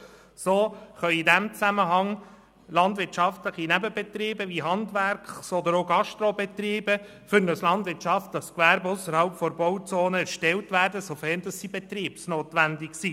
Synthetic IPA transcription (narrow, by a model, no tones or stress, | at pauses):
soːχœʏidæmt͡sæməɦɑŋ | lɑndʋɪɾtʃɑftləχinæbəbɛt̪ɾiːbəʋiɦɑndʋæɾkχsɔd̪əɾoɡɑʃtɾobɛt̪riːbə | fʏɾnəslɑndvʋɪɾtt͡ʃɑftd̥ɑskʋæɾbʊsəɾhɑlpfɔɾbɔwt͡soːnəæɾʃtɛltʋæːɾdəsofɛrndɑsdibɛt̪riːpsnoːtʋændɪksi